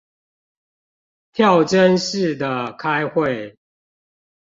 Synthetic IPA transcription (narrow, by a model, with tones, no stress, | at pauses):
t̪ʰjɑ˥˨ʊʈ͡ʂə˦nʂɻ̩˥˨d̪ə˨kʰa˦ɪxwe˥˨ɪ